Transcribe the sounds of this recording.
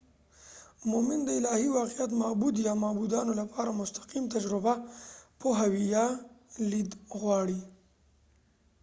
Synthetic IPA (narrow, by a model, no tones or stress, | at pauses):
mʊmɪnd̪əɪlɑhiwɑqijat̪mɑbud̪jɑmɑbud̪ɑnolapɑɾamʊst̪ḁqimt̪ad͡ʒɾʊbapoɦawijɑlid̪ɣwɑɽi